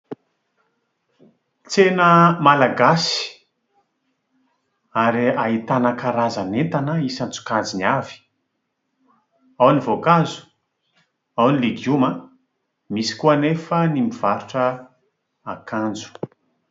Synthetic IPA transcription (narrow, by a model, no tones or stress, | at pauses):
t͡senəmalaɡasi̥ | aɾiaɦit̪anəkaɾazanet̪anəisant͡su̥kad͡ziniavi̥ | awnivokazu̥ | awniliɡiumə | misi̥kuənefənimiv̥aɾuʈ͡ʂə | akʰand͡zu̥